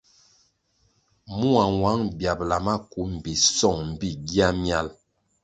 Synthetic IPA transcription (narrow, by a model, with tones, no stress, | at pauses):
mu˦a˨wa˨˦ŋbja˨p̚la˨ma˦ku˨˦m̩˨bi˨sɔ˦˨ŋm̩˨bi˦ɡi˦a˦mja˦l